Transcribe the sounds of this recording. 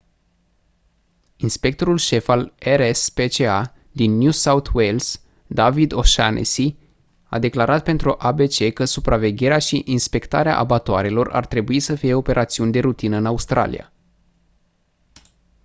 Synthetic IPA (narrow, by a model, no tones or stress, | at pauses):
inspe̞k̚t̪o̞ɾulʃe̞faleɾespe̞t͡ʃea | d̪inːjusaut̪ʰwe̞ls | d̪avid̪o̞ʃa̰nḛsi | a̰d̪e̞klaɾat̪̚pe̞nt̪ɾuʔabe̞t͡ʃe̞kəsupɾʔave̞ɡʲe̞ɾeaʃiʔinspe̞kt̪aɾea̰ʔa̰bat̪oaɾe̞lo̞rʔa̰rt̪ɾe̞buisəfije̞o̞pe̞ɾʔat̪siunʲd̪e̞ɾut̪inəɨnaust̪ɾa̰lḭja̰